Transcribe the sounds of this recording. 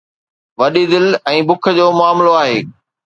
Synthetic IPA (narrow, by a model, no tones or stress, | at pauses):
ʋɐɗid̪ɪlɛ̃ːbʊkʰə̆d͡ʑoːmʊaːmloaːɦeː